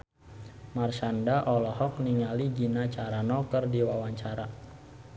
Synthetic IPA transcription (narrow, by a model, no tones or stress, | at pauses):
marsandaʔɔlɔɦɔk̚niŋaliɡinat͡ʃaɾanɔkərdiwawaɲt͡ʃaɾa